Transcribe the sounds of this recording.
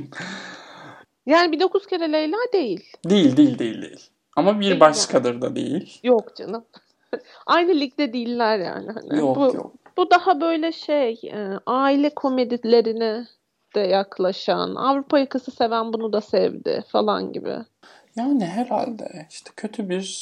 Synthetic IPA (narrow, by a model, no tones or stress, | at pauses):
jaːnibid̪o̞kʰuz̥cʰeɾelʲejlʲæd̪e̞jilʲd̪ejilʲd̪ejilʲd̪ejilʲd̪ḛjilʲ | amabiɾbaʃkʰad̪ɯɾd̪a̰d̪e̞̰jilʲjokd͡ʒanɯm | ajnɯlʲic̚t̪ɛd̪ilʲːæɾja̰ːnɪha̰nɪ̰jobujo̰b̥ud̪ahabø̞jlʲɛʃejɛːaːilʲɛkʰo̞me̞d̪ilʲe̞ɾinɪ | d̪̥ɛjaklˠaʃa̰na̰vɾupʰajakʰɯsɯse̞vænbunud̪asɛvd̪ɪ̰falˠa̰nɟḭbɪ̰ | jaːnɪɦɛɾha̰lʲd̪ɛ̰iʃt̪ʰɛ̥cʰø̞t̪ʰybiɾ